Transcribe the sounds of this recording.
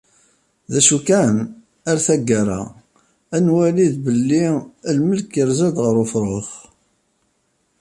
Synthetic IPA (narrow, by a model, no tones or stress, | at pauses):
ðæʃukæn | aɾθæɡːaɾˤa̰ | ænwæliðbəlːiəlməlkəɾzæd̪ʁəɾufɾˤoχ